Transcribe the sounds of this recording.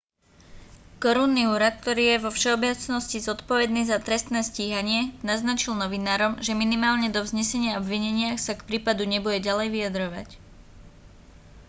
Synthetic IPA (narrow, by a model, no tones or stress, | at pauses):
kɔɾuːnːiuːɾat̪̚k̚t̪ɔɾiːjɛʋɔfʃɛɔbɛt͡snɔscizɔt̪pɔʋɛd̪niːzat̪ɾɛst̪nɛːsciːɦaɲɪɛnaznat͡ʃilnɔʋinaːɾɔmʒɛminimaːlɲɛd̪ɔvzɲɛsɛɲɪaɔbʋiɲɛɲɪaxsakpɾiːpad̪uɲɛbuɟɛɟalɛjʋijad̪ɾɔʋa̰c